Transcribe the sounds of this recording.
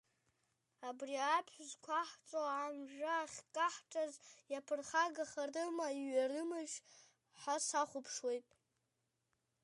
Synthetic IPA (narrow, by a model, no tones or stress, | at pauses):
abriapʰħʷzkʷʰaħt͡sʷʼoamʒᶣaːχʲkʼaħʈ͡ʂʼazjapʰɨrχaɡaχarɨmaiɥarɨmɨʒʷ | ħasaχʷʊpʰʂwe̞jtʼ